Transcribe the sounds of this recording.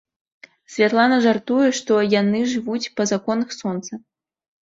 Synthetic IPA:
sʲvʲat̪lˠanɐʐart̪ujɛʂt̪ɔjanɨʐɨvut͡sʲpɐzakɔnɐxsɔnt̪sɐ

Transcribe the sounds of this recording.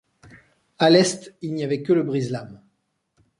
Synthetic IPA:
alɛst̪ilniavɛkələbʁizlam

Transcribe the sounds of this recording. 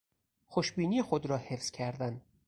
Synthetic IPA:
xoʃbiːniːxod̪ɾɒːhefz̥cʲʰæɾd̪æn

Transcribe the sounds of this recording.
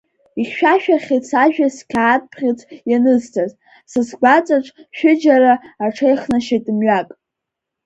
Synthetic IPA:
iχʃᶣaʃᶣaχʲet͡sʰaʒᶣaskʲʰaːt̚ʼpʰχʲɪt͡sʷʰjanɨztʰaz | sɨsɡʷat͡sʼaʈ͡ʂʼʃᶣɪd͡ʒaɾaːʈ͡ʂʰejχnaʃetʼɨmɥakʼ

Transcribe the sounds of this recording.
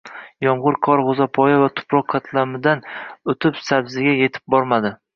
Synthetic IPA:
jɒmʁʊɾkʰɒɾʁozapʰɒjavat̪ʰʊ̥pʰɾɒqkʰːat̪ʰlamɪd̪anot̪ʰɪpsabzɪɡʲaje̞t̪ʰɪ̥p̚bɒɾmad̪ɪ

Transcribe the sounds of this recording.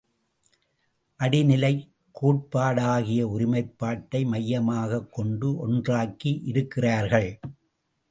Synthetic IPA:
ʔɐɽɪnɪlɐɪ | kːuːʈ̚paːɽaːɣɪjɐʊɾɪmɐɪpːaːʈːɐɪmɐjːɐmaːɣɐkːɔɳɖɯʔɔndraːkːiʔɪɾɯkːɪraːɾɣɐɭ

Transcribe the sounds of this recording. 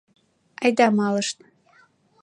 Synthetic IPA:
ɑjd̪ɑmɑləʃn

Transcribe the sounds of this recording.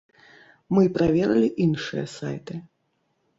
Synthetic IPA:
mɨpɾavʲɛɾɐlʲiʔinʂɨjɛ̰sa̰jt̪ɨ

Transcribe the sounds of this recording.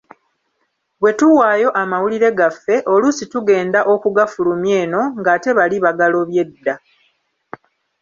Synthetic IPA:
βwe̞tuwaːjo̞ʔamawuliɾe̞ɡafːe̞ʔo̞lusituɡe̞ːndaʔo̞kuɡafulumje̞ːno̞ŋɡaːte̞βaliβaɡaloβje̞dːa

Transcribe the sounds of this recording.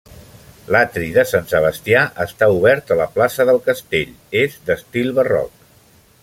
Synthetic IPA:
lat̪ɾiðəsansəβ̞əst̪iaʔəst̪auβ̞ɛɾt̪ələplasəðəlˠkəst̪eʎ | ezd̪əst̪ilˠβərɔ̰k̚

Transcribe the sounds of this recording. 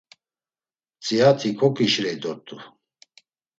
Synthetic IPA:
t͡sʼiat̪ʰikʰɔkʼiʃɾɛd̪ɔt̪ʼu

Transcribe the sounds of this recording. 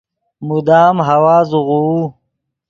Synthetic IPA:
mud̪aːmɦɐwaːzuʁuu

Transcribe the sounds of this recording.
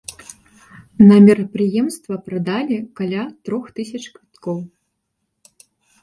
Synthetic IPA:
nɐmʲɛɾɐpɾɨjɛmst̪vɐpɾɐd̪alʲikalʲat̪ɾɔxt̪ɨsʲɐt͡ʂkvʲit̪kɔw

